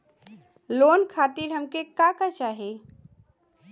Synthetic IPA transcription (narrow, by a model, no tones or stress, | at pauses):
loːnkʰat̪iɾɦəmkekakət͡ʃaːɦe